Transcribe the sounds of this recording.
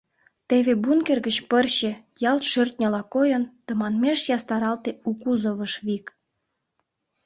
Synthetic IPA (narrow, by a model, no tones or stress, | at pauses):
t̪eβebunkerɡət͡ɕpərɕĕ | jɑlt̪ʃørt̪ʲnʲə̆lɑkojənt̪ə̆mɑnmeʃjɑst̪ɑɾɑlt̪eukuzoβəʃβik